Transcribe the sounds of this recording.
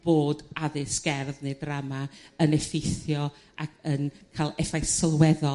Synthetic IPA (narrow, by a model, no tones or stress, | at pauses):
b̥oːdaðɨsɡ̥ɛrðnɨdramaənɛfɪjθjɔ | akʰənkʰaːlˠɛfajsəlˠwɛðɔ